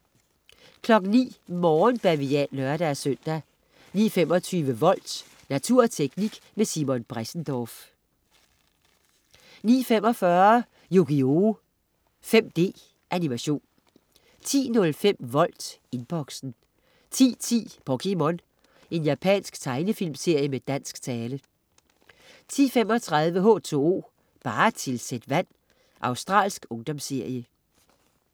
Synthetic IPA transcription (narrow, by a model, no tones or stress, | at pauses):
kʰlɒ̽ɡ̥n̩nḭːmɒːnb̥æʋiɛlœɐɾ̥æɐsøn̰d̥æ | nḭːfem̰ɒ̽t͡sʰyːʋəʋɒ̽l̰d̥ | næt͡sʰuɐ̰t͡sʰeɡ̥niɡ̥mesimɔnb̥ʁasn̩d̥ɒːf | nḭːfem̰ɒ̽fɶɐ | joɡ̥io̝ | fem̰d̥e̝̰ː | ʔænimæɕo̝̰ːn | t͡sʰḭːnɔ̽lfem̰ʋɒ̽l̰d̥e̝nb̥ɒ̽ɡ̥sn̩ | t͡sʰḭːt͡sʰḭːb̥ɒkʰimɒn | e̝njæpʰɛ̰ːnsɡ̥t͡sʰɑ̈ɪnəfil̰mse̝ɐ̰jəmed̥æn̰sɡ̥t͡sʰɛːlə | t͡sʰḭːfem̰ɒ̽t͡sʰʁɑð̞ˠʋəɦo̽ːt͡sʰo̝̰o̝̰ː | b̥ɑ̈ːt͡sʰe̝lsed̥ʋæn̰ | ʔɑ̈ʊsd̥ʁɑ̰̈ːlsɡ̥ɔ̽ŋd̥ɒ̽mse̝ɐ̰jə